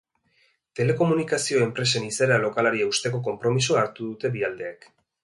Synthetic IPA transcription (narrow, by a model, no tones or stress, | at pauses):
t̪e̞le̞ko̞munikasio̞e̞mpɾe̞se̞nisaɾalo̞kalaɾieust̪e̞ko̞k̬o̞mpɾo̞misuaɾt̪uðut̪e̞βiald̪e̞ak